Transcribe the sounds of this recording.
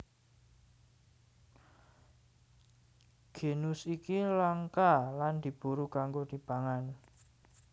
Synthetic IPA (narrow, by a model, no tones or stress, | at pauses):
ɡ̥e̤nʊsikilaŋkaland̪̥i̤b̥uɾukaŋɡod̪̥i̤b̥aŋan